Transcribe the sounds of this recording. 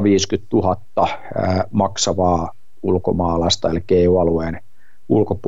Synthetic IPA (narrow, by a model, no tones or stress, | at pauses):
ʋiːskyt̪t̪uɦɑt̪ːɑ | mɑksɑʋɑː | ulko̰mɑːlɑst̪ɑelikːeːiuɑlueːn | ulkop